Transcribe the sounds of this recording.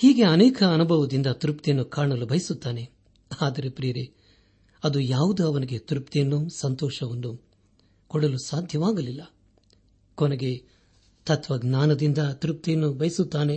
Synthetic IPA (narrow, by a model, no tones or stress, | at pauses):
hiːɡe̞ɐnɛːkʰɐːnubʱɐʋɐd̪ind̪ɐt̪uɾup̚t̪ijɐnːukaːɳɐlubʱɐjisut̪ːaːne̞ | aːd̪ɐɾepɾiːɐɾe | ɐd̪ujaːʋud̪uɐʋɐniɡet̪uɾup̚t̪ejɐnːusɐnt̪ɔːʃɐʋɐnːu | kɔɽɐlusaːd̪ʱjɐʋaːɡɐlilːɐ | koneɡe̞ | t̪ɐt̪ʰʋɐɡnaːnɐd̪ind̪ɐt̪uɾup̚t̪ejɐnːubʱɐjisut̪ːaːne̞